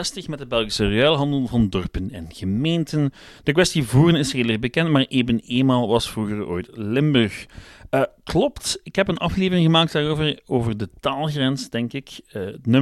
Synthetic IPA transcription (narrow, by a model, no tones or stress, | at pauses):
ɛstəxmɛt̚d̚əbɛlˠɣisəreaːlˠɦɑndəlˠvɑndɔrpənɛnɣəmeːntən | d̥əkwʋɛstivuːɾənɪsheːləbəkɛntmaːrʔeːvəneːnmaːlˠʋɑsfruɣəro̰ːjtlɪmbørxəklɔptɪkɦɛpənɑfleːvərɪŋɣəmaːk̚tdaːroːvəroːvərdətaːlˠɣrɛnsdɛŋkɪkənø